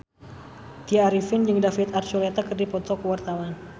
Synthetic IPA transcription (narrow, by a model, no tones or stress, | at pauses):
t̪iaːɾifɪnd͡ʒɨŋdafɪt̪art͡ʃulet̪akɨrdipɔt̪ɔkwart̪awan